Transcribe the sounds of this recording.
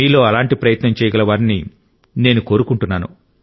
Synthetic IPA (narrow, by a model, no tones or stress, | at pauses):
iːlo̞ːɐlaːɳʈipɾɐjɐt̪nɐmt͡ʃɛːjɐɡɐlɐʋaːɾni | ne̞ːnuko̞ːɾukuɳʈunːaːnṵ